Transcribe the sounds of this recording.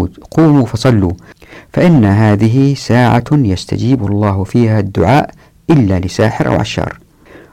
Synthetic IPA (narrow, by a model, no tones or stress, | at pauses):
uːd̪quːmufɑsˤɑlːufaʔɪnːaɦaːðɪɦisaːʕa̰jast̪a̰d͡ʒiːbʊlˤːɑːhfiːhad̪ːʊ̰ʕaːʔ | ʔɪlːalɪsaːħɪɾʔa̰wʕa̰ʃːɑ̰ːɾˤ